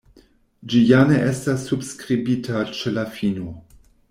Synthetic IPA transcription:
d͡ʒijaneʔestasːubskɾibitʰat͡ʃelafino

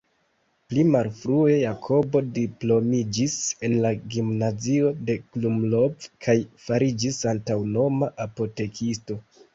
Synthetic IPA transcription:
plimalfɾue̞jakʰo̞bo̞diplo̞mid͡ʒise̞nlaɡimnazio̞de̞klumlo̞vkʰajfaɾid͡ʒisantawno̞maʔapo̞te̞kʰisto̞

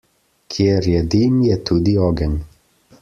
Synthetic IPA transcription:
kʰjeɾjɛd̪iːmjɛt̪uːd̪iɔːɡən

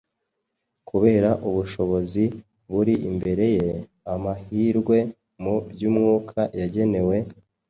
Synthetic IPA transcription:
kuβe̞ːɾaʔuβuʃo̞βo̞zi | βuɾiʔḭmbe̞ɾe̞je̞ | amahiːɾɡwe̞ | mubjuːmŋuːkʰajaɟe̞ne̞we̞

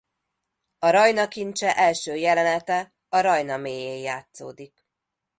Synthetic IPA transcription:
ɒɾɒjnɒkint͡ʃɛʔɛlʃøːjɛlɛnɛt̪ɛ | ɒɾɒjnɒmeːjeːjjːaːt̪so̰ːd̪ik

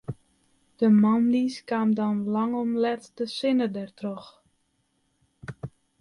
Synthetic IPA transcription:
d̥əmamliskaːmdɔnlɑŋɔmlɛtdəsɪnədɛrtrɔx

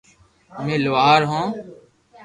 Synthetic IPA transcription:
mẽːlʊʋaːɾɦõː

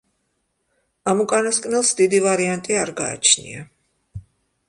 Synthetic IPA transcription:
amukʼanaskʼnɛlˠsd̪id̪ivaɾiant̪ʼiaɾɡa̰ːt͡ʃʰnḭa

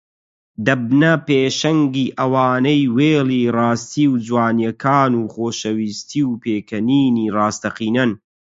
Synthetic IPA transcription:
d̪ɐb̚nɐpeːʃɐŋɡiːʔɐwaːnɐjweːlirɑːst̪iːwd͡ʒwaːnjɐkʰaːnuːχoːʃɐwiːst̪ʰiwpeːkʰɐniːniːrɑːst̪ɐqiːnɐn

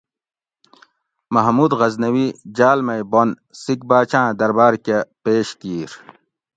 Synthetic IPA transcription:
mɐɦmuːd̪ɣɐznɐwid͡ʑaːlmɐjbon | sik̚baːt͡ɕãːd̪ɐɾbaːɾkepeːɕkiːɾ

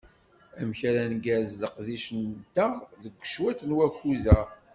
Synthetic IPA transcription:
æmçæɾænɡæzðəqðiʃənt̪ːəʁðəɡʷːə̥ʃwæt̪nwæçuzæ

